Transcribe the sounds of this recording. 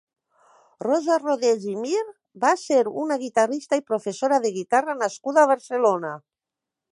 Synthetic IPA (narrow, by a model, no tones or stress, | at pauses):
rɔzaroðeʒimiɾ | baseɾunaɣ̞it̪arist̪aipɾofesoɾaðeɣ̞it̪aranaskuðaːβ̞aɾselona